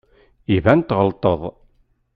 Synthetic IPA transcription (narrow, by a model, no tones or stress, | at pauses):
ivænt̪ʁəlt̪ˤəðˤ